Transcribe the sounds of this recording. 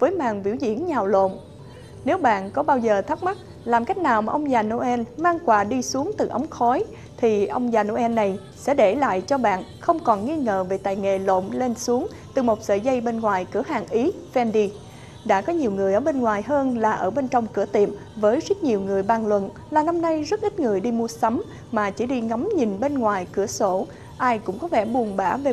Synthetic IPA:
vəː˨˦jmaː˨˩ŋvḭ˧˩əwzḭ˧˥ənɲaː˨˩wlo̰˧˨m | ne˨˦wɓa̰ː˧˨nkɔ˨˦ɓaː˧wzəː˨˩t̪ʰa˦˥k̚m˦˥t̚ | laː˨˩mka˦˥jk̟̚naː˨˩wmaː˨˩ʔə˧wŋ͡mzaː˨˩no˧ʔɛ˧nmaː˧ŋkwaː˧˩ɗi˧su˨˦əŋt̪ɨ˨˩ʔə˨˦wŋ͡mxɔ˨˦j | t̪ʰi˨˩ʔə˧wŋ͡mzaː˨˩no˧ʔɛ˧nːa˨˩j | sɛ̰˧˥ɗe˧˩la̰ː˧˨jt͡ɕɔ˧ɓa̰ː˧˨nxə˧wŋ͡mkɔ˨˩nŋi˧ŋəː˨˩ve˨˩t̪aː˨˩jŋḛ˧˩lo̰˧˨mle˧nsu˨˦əŋ | t̪ɨ˨˩mo˨˩t̚sə̰ː˧˨zə˧jɓe˧nŋwaː˨˩jkɨ˧˩əɦaː˨˩ŋʔi˨˦ | vɛ˧nɗi˧ | ɗa̰ː˧˥kɔ˨˦ɲi˨˩əwŋɨ˨˩əjʔəː˧˩ɓe˧nŋwaː˨˩jɦəː˧nlaː˨˩ʔəː˧˩ɓe˧nt͡ɕɔ˧wŋ͡mkɨ˧˩ət̪ḭ˨˩əm | vəː˨˦jzə˦˥t̚ɲi˨˩wŋɨ˨˩əjɓaː˨˩nlwə̰˧˨n | laː˨˩na˧mna˧jzə˦˥t̚ʔi˦˥t̚ŋɨ˨˩əjɗi˧mu˧əsə˨˦m | maː˨˩t͡ɕi˧˩ɗi˧ŋa˨˦mɲi˨˩nɓe˧nŋwaː˨˩jkɨ˧˩əso˧˩ | ʔaː˧jkʊ̰˧˥ŋ͡mkɔ˨˦vɛ˧˩ɓu˨˩ənɓaː˧˩ve˨˩

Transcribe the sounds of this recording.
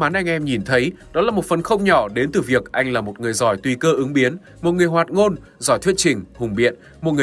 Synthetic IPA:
maː˨˦nʔa˧jŋ̟ʔɛ˧mɲi˨˩nt̪ʰə˨˦jɗɔ˨˦laː˨˩mo˨˩t̚fə˨˩nxə˧wŋ͡mɲɔ˧˩ɗe˨˦nt̪ɨː˨˩vi˨˩ək̚ʔa˧jŋlaː˨˩mo˨˩t̚ŋɨ˨˩əjzɔ˧˩jt̪wi˧kəː˧ʔɨ˨˦ŋɓi˨˦ən | mo˨˩t̚ŋɨ˨˩əjhwaː˨˩t̚ŋo˧n | zɔ̰˧˩jt̪ʰwi˦˥ət͡ɕï˨˩ŋ̟hʊ˨˩ŋ͡mɓḭ˧˨ən | mo˨˩t̚ŋɨ˨˩

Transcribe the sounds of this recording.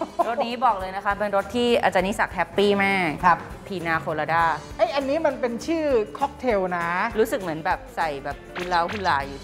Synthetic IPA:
ɾo˦˥t̪̚niː˦˥bɔː˨˩k̚lɤː˧jna˦˥kʰa˦˥pe˧nɾo˦˥t̪ʰːiː˥˩ʔa̰˧˩t͡ɕa˧ni˦˥sa˨˩k̚hɛ˦˥pːiː˥˩mɛː˥˩˦p̚ | pʰiː˧naː˧kʰoː˧laː˧daː˥˩ʔa˦˥˩jʔa˧nːiː˦˥ma˧npe˧nt͡ɕʰɯː˥˩kʰɔ˦˥k̚t̪ʰe˧wna˦˥ɾuː˦˥sɯ˨˩k̚mɯ˩˦ənbɛː˨˩p̚sa˨˩jbɛː˨˩p̚hu˧˥˩nlaː˦˥whu˥˩laː˧˩juː˨˩

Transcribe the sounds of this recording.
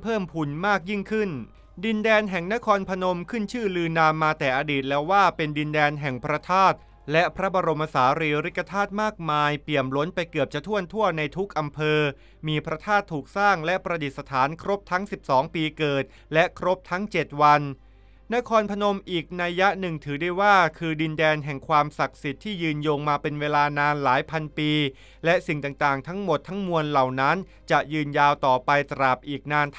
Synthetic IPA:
pʰɤː˥˩mpʰu˨˩nmaː˥˩k̚ji˥˩ŋkʰɯ˥˩n | di˧ndɛː˧nɦɛ˨˩ŋna˦˥kʰɔː˧npʰa˧no˧mkʰɯ˥˩nt͡ɕʰɯː˥˩lɯː˧naː˧mːaː˧t̪ɛː˨˩ʔaː˧diː˨˩t̪̚lɛː˦˥waː˥˩pe˧ndi˧ndɛː˧nɦɛ˨˩ŋpʰɾa˦˥t̪ʰaː˥˩t̪̚ | lɛ˦˥pʰɾa˦˥ba˧ɾo˧mʔa˧saː˩˦ɾiː˧ɾi˦˥kːa˧t̪ʰaː˥˩t̪̚maː˥˩k̚maː˧jpli˨˩əmlo˦˥npa˧jkɯ˨˩əp̚t͡ɕʰa˧t̪ʰu˥˩ənt̪ʰu˥˩əna˧jt̪ʰu˦˥k̚ʔa˧mpʰɤː˧ | miː˧pʰɾa˦˥t̪ʰaː˥˩t̪ʰːuː˨˩k̚saː˥˩ŋlɛ˦˥ʔpɾa˧di˨˩t̪̚sa˧t̪ʰaː˩˦nkʰɾo˦˥p̚t̪ʰa˦˥ŋsi˨˩p̚sɔː˩˦ŋpiː˧kɤː˨˩t̪̚ | lɛ˦˥kʰɾo˦˥p̚t̪ʰa˦˥ŋt͡ɕe˨˩t̪̚wa˧n | na˦˥kʰɔː˧npʰa˧no˧mʔiː˨˩k̚na˧ja˦˥nɯ˨˩ŋt̪ʰɯː˩˦da˥˩jwaː˥˩kʰɯː˧di˧ndɛː˧nɦɛ˨˩ŋkʰwaː˧msa˨˩k̚si˨˩t̪ʰːiː˥˩jɯː˧njoː˧ŋmaː˧pe˧nweː˧laː˧naː˧nlaː˩˦jpʰa˧npiː˧ | lɛ˦˥ʔsi˨˩ŋt̪aː˨˩ŋt̪aː˨˩ŋt̪ʰa˦˥ŋmo˨˩t̪ʰːa˦˥ŋmu˧ənla˨˩wna˦˥n | t͡ɕa˨˩ʔjɯː˧njaː˧wt̪ɔː˨˩pa˧jt̪ɾa˨˩p̚ʔiː˨˩k̚naː˧nt̪

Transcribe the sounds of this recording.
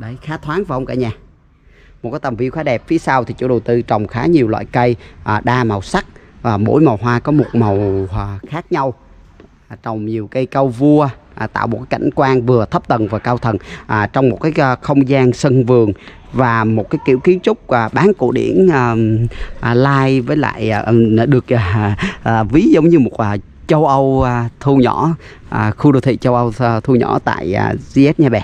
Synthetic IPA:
ɗə˨˦jxaː˨˦t̪ʰwaː˨˦nvaː˨˩ʔə˧ŋ͡mka̰ː˧˩ɲaː˨˩ | mo˨˩t̚kaː˨˦jt̪ə˨˩mvi˧əwxaː˨˦ɗɛ˨˩p̚fi˨˦əsaː˧wt̪ʰi˨˩t͡ɕṵ˧˥ɗə˨˩wt̪ɨ˧t͡ɕɔ˨˩wŋ͡mxaː˨˦ɲi˨˩əwlwa̰ː˧˨jkə˧jʔɗaː˧ma˨˩wsa˦˥k̚vaː˨˩mo̰˧˥jma˨˩wɦwaː˧kɔ˨˦mo˨˩t̚ma˨˩wxaː˦˥k̚ɲa˧w | t͡ɕə˨˩wŋ͡mɲi˨˩əwkə˨˧jkə˧wvu˧ə˨˩t̪a̰ː˧˨wo˨˩t̚kaː˨˦kʰːa̰˧˩jŋ̟kwaː˧nvɨ˨˩ət̪ʰə˦˥p̚t̪ə˨˩nvaː˨˩kaː˧wt̪ʰə˨˩nʔt͡ɕɔ˧wŋ͡mmo˨˩kaː˨˦jxə˧wŋ͡mzaː˧ŋsə˧nvɨ˨˩əŋ | vaː˨˩mo˨˩t̚kaː˨˦jkḭ˧˩əwki˨˦ənt͡ɕʊ˦˥k͡p̚aː˨˩ɓaː˨˦nkṵ˧˩ɗḭ˧˩ənː˧˩ʔlaː˧jvəː˨˦jla̰ː˧˨jɗɨ˨˩ək̚ʔː | vi˨˦zə˨˦wŋ͡mɲɨ˧mo˨˩t̚ʔaː˨˩ | t͡ɕə˧wʔə˧wt̪ʰu˧ɲɔ̰˧˩˥ | ʔxu˧ɗo˧t̪ʰḭ˧˨t͡ɕə˧wʔə˧wt̪ʰu˧ɲɔ̰˧˩˥t̪a̰ː˧˨ja˨˩zi˧ʔɛ˦˥t̚ɲaː˧ɓɛ˨˩

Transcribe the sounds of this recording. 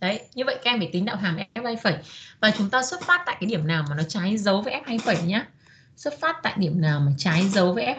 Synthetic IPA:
ɗə˨˧˦jɲɨ˧və̰˧˨jka˨˧ɛ˧mvə˧˩t̪ï˨˦ŋ̟ɗa̰ː˧˨ɦaː˨˩mʔɛ˥p̚haː˧jfə˧˩jvaː˨˩t͡ɕʊ˨˦ŋ͡mt̪aː˧swə˦˥t̚faː˦˥t̚t̪a̰ː˧˨jkaː˨˦jɗi˧˩əmnaː˨˩wmaː˨˩nɔ˨˦t͡ɕaː˨˦jzə˨˦wvəː˨˦ʔɛ˦˥p̚ha˧jfə˧˩jɲaː˨˦ | swt̚faː˦˥t̚t̪a̰ː˧˨jɗi˧˩əmnaː˨˩wmaː˨˩t͡ɕaː˨˦jzə˨˦wvəː˨˦jʔɛ˦˥p̚

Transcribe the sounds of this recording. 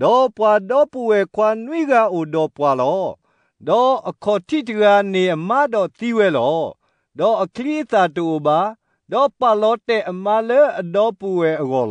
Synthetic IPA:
d̥ɔ˨pwa˨dɔ˦pu˨wɛ˨kʰwa˦nwi˦˨ɡa˦ʔo˨dɔ˨pwa˨lɔ˦ | dɔ˦ʔə˨kʰɔ˨tʰi˦˨təɣa˨ne˨ʔə˨ma˦dɔ˨t̪i˦wɛ˦lɔ̰˦ | dɔ˨ʔəkʰli˦ə˦t̪a˨to˨o˨ba˨˦ | dɔ˨pa˨lɔ˦tɛ˨ʔə˨ma˦lɛ˦ʔə˨dɔ˦pu˨wɛ˨ʔəɣɔ̰˨lɔ˦

